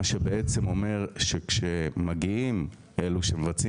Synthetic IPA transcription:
ʃebeet͡semo̞me̞ʁʃekʃemaɡiim | eluʃemevat͡si

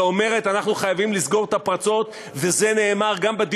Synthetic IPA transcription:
ome̞ʁe̞t̪anaχnuχajavimlizɡo̞ʁt̪apʁat͡so̞t̪ | ve̞ze̞ne̞ːmaʁɡambed̪i

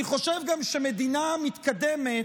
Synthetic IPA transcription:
iχo̞ʃevɡamʃemed̪inamit̪kad̪eme

